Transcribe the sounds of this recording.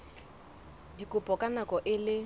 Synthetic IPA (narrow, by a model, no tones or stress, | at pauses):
dikʼʊpʼɔkʼanakɔʔɪlɪ